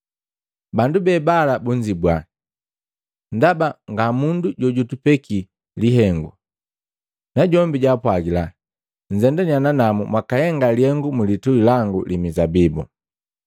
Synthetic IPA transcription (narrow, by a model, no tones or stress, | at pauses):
bandubɛːbalabuɲd͡ʒibwa | ndabaŋɡamunduɟɔɟutupɛki | liɦɛŋɡṵ | naɟɔmbiɟapwaɡila | ɲ̩d͡ʒɛndɛɲananamumwakahɛŋɡalihɛŋɡumulituilaŋɡṵlimizabibṵ